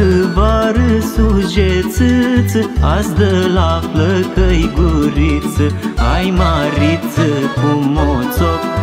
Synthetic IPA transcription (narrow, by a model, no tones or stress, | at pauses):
ɨbaɾɨsud͡ʒet͡sɨt͡sɨasd̪əlafləkəjɡuɾit͡sɨajmaɾit͡səkumot͡so